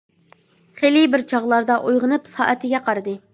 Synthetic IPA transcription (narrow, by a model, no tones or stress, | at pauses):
χelibɪɾt͡ʃʰɑʁlˠɑɾd̪ɑʔujʁənɨpsɑ̰ːʔɛt̪ʰɪɡʲɛqʰɑɾɨd̪ɨ